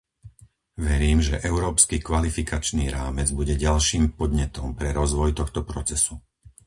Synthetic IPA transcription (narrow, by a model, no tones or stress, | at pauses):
ʋɛɾiːmʒɛʔɛʊɾɔːpskikʋalifikat͡ʃniːɾaːmɛd͡zbuɟɛɟalʃiːmpɔd̪ɲɛt̪ɔmpɾɛɾɔzʋɔjt̪ɔxt̪ɔpɾɔt͡sɛsu